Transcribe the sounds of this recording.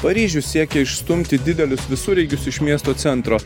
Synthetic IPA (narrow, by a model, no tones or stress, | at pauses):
pɐɾʲiːʒʲʊssʲiɛkʲɛɪʃst̪ʊmʲt̪ʲɪd̪ʲɪd̪ʲɛlʲʊsʋʲɪsuːɾʲɛɪɡʲʊsɪʃmʲiɛst̪oːt̪sʲɛnt̪ɾoː